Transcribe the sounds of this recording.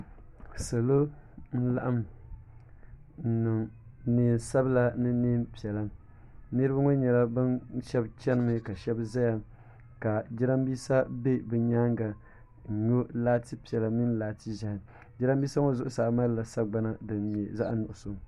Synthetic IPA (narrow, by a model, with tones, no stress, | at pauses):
sa˨lo˦n̩˦la˦ʔa˦m | n̩˨nɨ˨ŋ˦neː˨n˨sa˦bla˦nɨ˦neː˦mpi˨ɛ˨la˦ | nɨ˦ɾɨ˦ba˦ŋɔ˦ɲɛ˨la˦bɨ˦nʃɛ˦bt͡ʃɛ˦nɨ˦mɨ˦ka˨ʃɛ˦bza˦ja˨ | ka˨d͡ʒi˦ɾa˦mbiː˦sa˦be˦bɨ˨ɲaː˦ŋɡa˨ | ɲo˦laː˦ti˦pi˨ɛ˨la˨mi˦n˦laː˨ti˦ʒa˦hɪ˨ | d͡ʒi˦ɾa˦mbiː˦sa˦ŋo˦zʊ˦ʔʊ˨sa˨ma˦ɾla˨sa˦ɡ͡ba˦na˦dɨ˨nɲɛ˨za˦ʔnʊ˨ʔʊ˨so˦